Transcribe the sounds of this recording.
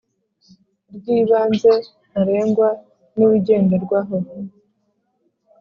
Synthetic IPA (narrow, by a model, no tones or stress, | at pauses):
ɾɡiːβaːnze̞ | naɾe̞ːŋɡwa | nuwiɟe̞ːndeɾɡwaːɦo